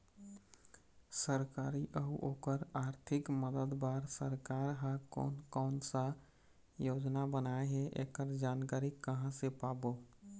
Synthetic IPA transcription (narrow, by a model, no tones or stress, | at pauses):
səɾkaːɾiʔəɦuʔoːkəɾaːɾt̪ʰɪkməd̪əd̪baːɾsəɾkaːɾɦãkɔ̰nkɔːnsa | joːd͡ʒnabənaeɦɛʔḛkəɾd͡ʒaːnkaːɾikəɦãsepaːboː